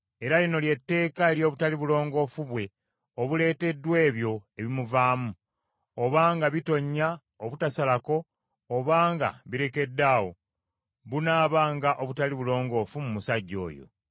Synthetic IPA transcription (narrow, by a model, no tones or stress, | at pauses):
e̞ɾalino̞lje̞tːe̞ːkaeɾjo̞ːβutaliβulo̞ːŋɡo̞ːfuβwe̞ | oβule̞ːte̞dːwe̞ːβjo̞e̞βimuvaːmu | oβaːŋɡaβito̞ɲːa | oβutasalako̞ː | βaːŋɡa̰βiɾe̞ke̞dːaːwo̞ | βunaːβaːŋɡaʔo̞βutaliβulo̞ːŋɡo̞ːfumumusaɟːo̞̰ːjo̞̰